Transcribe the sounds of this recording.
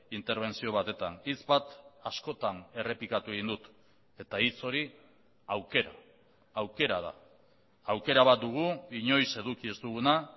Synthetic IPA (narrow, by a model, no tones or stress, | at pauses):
int̪e̞ɾβ̞e̞nsio̞β̞at̪e̞t̪anit͡sbat̪asko̞t̪ane̞re̞pikat̪ueɣind̪ut̪ | e̞t̪ait͡so̞ɾi | awke̞ɾaː | wke̞ɾaða̰ː | wke̞ɾaβ̞at̪̚d̪uɣ̞uiɲo̞jse̞ðukiezt̪uɣ̞una